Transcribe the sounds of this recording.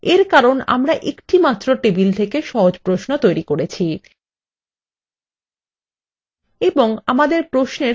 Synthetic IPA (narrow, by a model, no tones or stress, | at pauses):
eɾkaɾona̰mɾaʔekʈimat̪ːɾoʈebilt̪ʰekeʃɔɦod͡ʑpɾoʃnot̪ojɾikoɾet͡ɕʰi | eboŋamad̪eɾpɾoʃne